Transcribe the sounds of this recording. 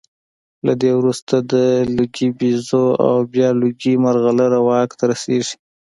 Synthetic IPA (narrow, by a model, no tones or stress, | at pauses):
lad̪ewɾust̪ad̪əluɡibizoa̰wbjɑluɡimaɾɣalaɾawɑkt̪ʰaɾaseʐi̥